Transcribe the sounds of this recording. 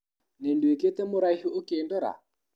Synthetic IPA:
nenduekɛt̪ɛmʊɾaihiokiːndɔɾa̰

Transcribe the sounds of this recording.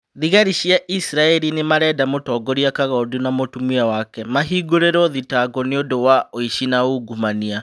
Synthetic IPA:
ðiɣaɾiɕjaʔisɾaɛɾinemaɾɛːdamotɔːɡɔɾiakaɣɔdunamotumiawakɛmaɦiɡoɾeɾɔðitaɡɔneodowaoiʃinauɡumania

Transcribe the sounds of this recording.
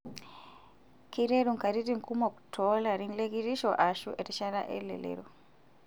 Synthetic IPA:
kiɾeɾuŋkaɾitiŋ̩kumɔktʰɔlaɾinlekiɾiʃɔʔaʃuʔɛtiʃaɾaʔḛlɛ̰lḛɾu

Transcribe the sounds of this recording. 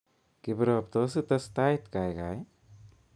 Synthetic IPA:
kibɾɔp̚t̪ɔs̬ɯt̪əst̪ajt̪kajka̰j

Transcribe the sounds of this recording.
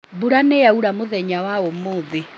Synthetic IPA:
buɾaneauɾamoðɛɲawaomoːðe

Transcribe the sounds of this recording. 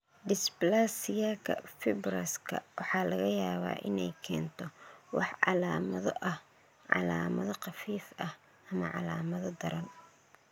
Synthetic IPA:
d̪ɪsplasɪjaːkʰɐ̰fɪbɾɐskʰɐ̰wʔɑħɑːlɐɣɐjaːβa̰ːʔɪnɛjkʰɛːnt̪ʰɔwɑħʕɑlaːmɐðɔʔɐh | ʕɑ̰laːmɐðɔqɑfiːfɐh | ʔɐmɐʕɑ̰laːmɐðɔd̪ɐɾɐn

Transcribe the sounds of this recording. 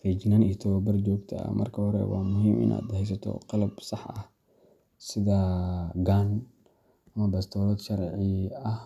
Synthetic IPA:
fit͡ʃɪnaniːt̪ʰɔwbɐrd͡ʒɔːɡt̪ʰɐɐ̰mʔɐ̰rkʰɐɦɔɾɛ̰wɑ̰ːmʊɦiːmʔɪ̰nʔa̰ːd̪hɛjs̬ɐt̪ʰɔ̰qɑlɐbsɑħɐh | sɪðɐɡaːn | ʔɐmɐbɐst̪ʰɔːlɔːd̪ʃɐɾʕiɐh

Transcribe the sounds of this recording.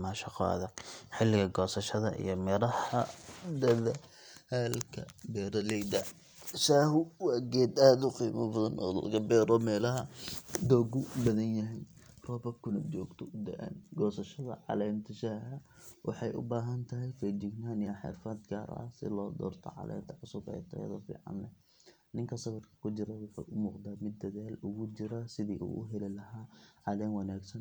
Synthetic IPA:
maʃɑqɔ̰ɐ̰ðɐɡħɪlːɪɣɐɡɔːsɐʃɐðɐʔḭjɞmɪɾɐhɐd̪ɐðɐ | haːlkʰɐ̰bɛːɾɐlɛjd̪ɐ | ʃaːhʊwɑːɡɛːd̪aːd̪ʊqiːmɐbɐðɐnʔɔ̰ːlɐ̰ɣɐbɛːɾɔmɛːlɐɦɐd̪ɔːɡʊbɐðɐnjɐɦɛjrɔːbɐkʰʊnɐt͡ʃɔːɡt̪ʰɔd̪ɛʔɛ̰nɡɔːsɐʃɐðɐ̰ʕɑ̰lɛːmt̪ʰɐʃɐɐ | wʔɑħɑjʔʊ̰baːɦɐnt̪ʰɐɦɛjfɛd͡ʒɪɡnaːnɪjɐħɛ̰ːfɐd̪ɡa̰ːɾ̰ʔɐ̰sɪ̰lɔːd̪ɔ̰ːrt̪ʰɔ̰ʕɑ̰lʔɛ̰ːmt̪ʰɐʕʊsʊbɛ̰jt̪ʰɐɛ̰ðɔfḭːʕɑ̰nlɛ | nɪŋkʰɐsɐβɐrkʰɐ̥kʰʊt͡ʃɪɾɐwɑħɑ̰jʔʊmuːqd̪aːmɪd̪ːɐðaːlʊɣʊt͡ʃɪɾasɪðiːʔṵːʔʊɦɛlɪlɐɦaːʕɑlɛːmwɑnaːɡsɐn

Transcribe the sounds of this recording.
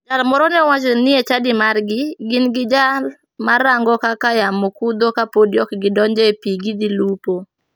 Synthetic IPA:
d͡ʒalmɔɾɔnɛɔwat͡ʃnɪet͡ʃadɪmarɡɪɡɪnɡɪd͡ʒal | maɾaŋɡɔkakajamokud̪okapodijɔkɡɪdɔɲd͡ʒɛpiɡid̪ilupo

